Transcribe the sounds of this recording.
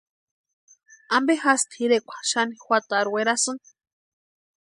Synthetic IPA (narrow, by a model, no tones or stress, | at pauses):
ambehast̪hiɾekʷḁʃanixʷwʷat̪aɾweɾasɨn